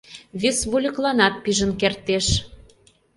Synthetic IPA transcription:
βesβulʲə̆klɑnɑt̪̚piʒə̆nkert̪eʃ

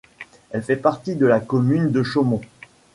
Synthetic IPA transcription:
ɛlfɛpaʁt̪id̪əlakɔmynd̪əʃomɔ̃

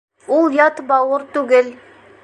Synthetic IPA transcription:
ulˠjɑt̪bɑwəɾt̪ʉɡɘl

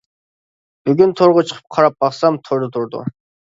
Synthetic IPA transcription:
b̥yɡʲynt̪ʰoɾʁʊt͡ʃʰə̥qʰə̥p̚qʰɑɾɑp̚bɑχsɑmt̪ʰoɾd̪ʊt̪ʰʊɾd̪ʊ̰

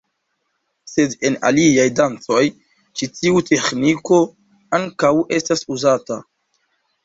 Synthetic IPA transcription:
se̞dena̰liajdant͡so̞j | t͡ʃitiutʰe̞xniko̞ | aŋkawʔe̞stasuzata̰

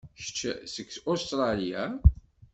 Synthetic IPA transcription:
ʃə̥t͡ʃːsəkːsost̪ɾˤɑlijæ

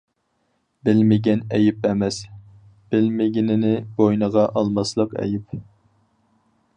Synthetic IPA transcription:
bɪlmɪɡʲɛnɛjɪpɛmɛs | b̥ɪlmɪɡʲinɪnɪbojnəʁɑʔɑlˠmɑslˠəqɛ̰jɪp

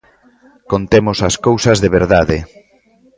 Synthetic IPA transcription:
kont̪emosaskowsɐzðeβeɾðaðe

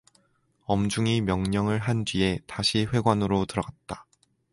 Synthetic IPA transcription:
ʌmd͡ʑuŋimjʌŋɲʌŋɯɭɦand͡ʑɥie̞taɕʰiɸwe̞ɡwanɯɾotɯɾʌɡat̚t͈ḁ

